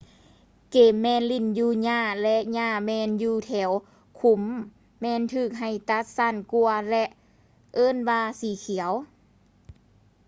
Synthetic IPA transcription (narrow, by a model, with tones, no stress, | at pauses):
keː˨˩mːɛː˧˨nli˧˩njuː˧˩ɲaː˧˩lɛ˧ʔɲaː˧˩mɛː˧˥njuː˧˩t̪ʰɛː˩˦w | kʰu˧˦mː | ɛː˧˥˨nt̪ʰɯː˧˩k̚ɦa˨˩jt̪a˧˥t̪̚sa˧˩˨nku˧ɐlɛ˧ʔ | ʔɤː˧˥˨nwaː˧siː˨˦kʰi˨˩˦ə˦w